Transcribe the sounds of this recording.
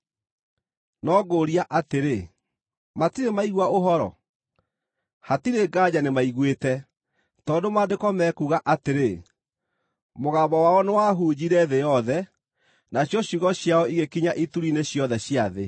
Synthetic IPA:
nɔɡoɾiaʔateɾe | matiɾemaiɣwaoɦɔɾɔ̰ | hatiɾeɡaːd͡ʑanemaiɣwetɛ | tɔːndomadekɔmɛkuɣaʔateɾe | moɣaːbɔwaɔnewaɦuːd͡ʑiɾɛðejɔðɛ | naɕjɔɕiɣɔɕjaɔiɣekiɲaʔituɾineɕjɔðɛɕiaðe

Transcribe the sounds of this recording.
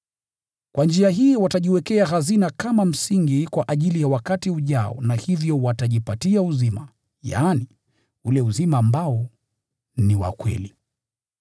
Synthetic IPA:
kwand͡ʒiaɦiːwataʄiwɛkɛaɦazinakamam̩siŋɡikwaʔaʄilijawakatiuʄaɔ̰nahivjɔwataʄipatiauzima | ja̰ːni | ulɛuzimaːmbaɔ | niwa̰kwɛ̰li

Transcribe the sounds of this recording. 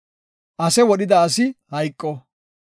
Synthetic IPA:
ʔɐsɛwɔɗɪd̪ɐːsɪhɐjkʼːɔ

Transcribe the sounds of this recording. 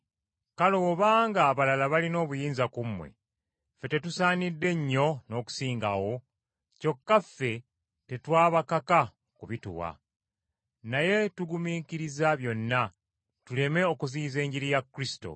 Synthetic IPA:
kaloβaːŋɡaːβalalaβalino̞ːβujiːnzakumːwḛ | fe̞te̞tusaːnidːe̞ɲːo̞no̞ːku̥siːŋɡa̰wo̞ | co̞kːafːe̞ | te̞twaːβakaka | kuβitṵwa̰ | naje̞tuɡumiːkiɾizaβjo̞nːa | tule̞me̞o̞kuziːze̞ːɲɟiɾijakːɾisi̥to̰

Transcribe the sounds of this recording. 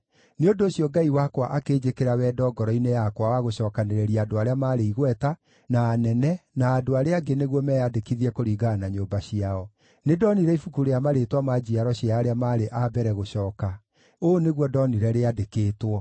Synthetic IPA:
neondoːɕjɔɡaiwakwaʔakeːd͡ʑekeɾawɛdɔːɡɔɾɔinejakwawaɣoɕɔːkaneɾɛɾiadoaɾeamaːɾeiɣwɛta | naːnɛnɛnaːdoaɾeaɡeneɣwɔmɛjadekiðiɛkoɾiːɡanaɲoːmbaɕiaɔ | nedɔniɾɛifukuɾeamaɾetwamad͡ʑiaɾɔɕiaːɾeamaːɾeʔabɛɾɛɣoɕɔːka | oːneɣwɔdɔniɾɛɾeadekeːtwɔ

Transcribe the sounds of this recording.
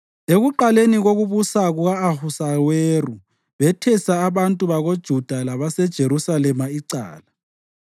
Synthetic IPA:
eɣuǃaleniɣoɣuβusaɣuɣaːhusaweru | βɛtʰɛsaːβantʼuβaɣod̥ʒ̥ʱud̥ʱalaβasɛd̥ʒ̥ʱeɾusalɛmaiǀa̰ːla

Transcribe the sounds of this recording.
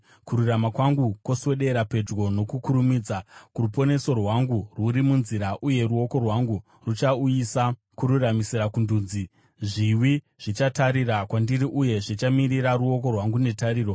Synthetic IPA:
kuɾuramakwaŋɡukwo̞swe̞ɗe̞ɾape̞d͡ʒɡo̞no̞kukuɾumiːd͡zakurupo̞ne̞so̞rɦwaŋɡuruɾimunziɾaʔuje̞ruo̞ko̞rwaŋɡu | rut͡ʃauisa | kuɾuramisiɾakunduːnd͡zi | ʐiwi | ʐ̥it͡ʃataɾirakwandiɾiʔuje̞ʐit͡ʃamiriɾaruo̞ko̞rwaŋɡunetaɾiːro

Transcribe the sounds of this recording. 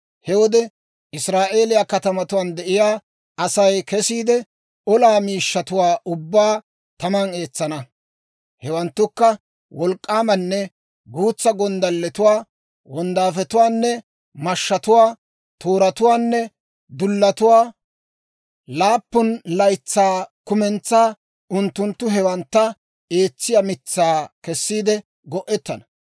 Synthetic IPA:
hɛwɔd̪ɛ | ɪsɾaːʔe̞ːlɪjakɐt̪ɐmɐt̪ʊwaːnd̪ɛʔɪjaː | ɐsɐjkɛsiːd̪ɛ | ɔlaːmiːʃːɐt̪ʊwaːʊbːaː | t̪ɐmɐne̞ːt͡sːɐnɐ | hɛwɐnt̪ːʊkːɐ | wɔlkʼːaːmɐnːɛ | ɡuːt͡sːɐɡɔnd̪ɐlːɛt̪ʊwaː | wɔnd̪aːfɛt̪ʊwaːnːɛ | mɐʃːɐt̪ʊwaː | t̪ʰoːɾɐt̪ʊwaːnːɛ | d̪ʊlːɐt̪ʊwaː | laːpːʊnlɐjt͡sːaːkʊmɛnt͡sːaː | ʊnt̪ːʊnt̪ːʊɦɛwɐnt̪ːɐ | e̞ːt͡sːɪjamɪt͡sːaːkɛsːiːd̪ɛ | ɡɔʔɛt̪ːɐnɐ̥

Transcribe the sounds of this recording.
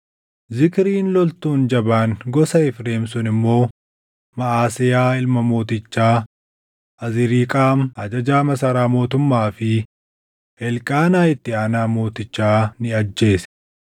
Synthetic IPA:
zɪkɪɾiːnlɔlt̪uːnd͡ʒɐbaːnɡɔsɐɪfɾe̞ːmsʊnɪmːo̞ː | mɐʔaːsɪjaːɪlmɐmo̞ːt̪ɪt͡ʃːaː | ʔɐzɪɾiːkʼaːmɐd͡ʒɐd͡ʒaːmɐsɐɾaːmo̞ːt̪ʊmːaːfɪ | ɛlkʼaːnaːɪt̪ːɪaːnaːmo̞ːt̪ɪt͡ʃːaːnɪɐd͡ʒːe̞ːsɛ̥

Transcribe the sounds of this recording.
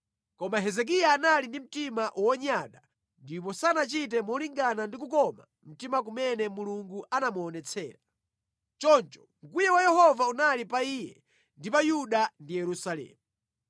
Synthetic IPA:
kɔmaɦɛzɛk̬ijaːnalindim̩timaʔwɔɲaɗa | ndip̬ɔsanat͡ʃit̬ɛmɔliŋɡanandikukɔma | m̩timak̬umɛnɛmuluŋɡuʔanamuɔːnɛt͡sʰɛ̰ːɾa | t͡ʃɔnt͡ʃɔ̥ŋ̩kujɛwajɛhɔvaunalipaiːjɛ̰ | ndipajuɗandijɛɾusalɛ̰ːmu

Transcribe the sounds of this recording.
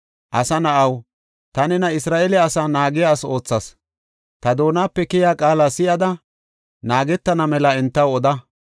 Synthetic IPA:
ʔɐsɐnɐʔɐw | t̪ɐnɛnɐɪsɾaːʔelɛːsaːnaːɡɪjaːso̞ːt͡sːɐs | t̪ɐd̪o̞ːnaːpːɛkɪjaːkʼaːlasɪʔɐd̪ɐ | naːɡɛt̪ːɐnɐmɛlɐɛnt̪ːɐwɔd̪ɐ

